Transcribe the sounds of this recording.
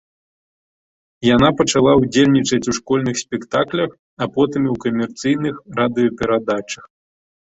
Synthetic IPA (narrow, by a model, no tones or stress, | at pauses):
jan̪apɐt͡ʂalˠaud͡zʲelʲnʲit͡ʂɐt͡sʲuʂkɔlʲnɨxsʲpʲɛkt̪aklʲɐx | apɔt̪ɨmiwkɐmʲɛrt̪sɨjnɨxɾad̪ɨjɔpʲɛɾad̪at͡ʂɐx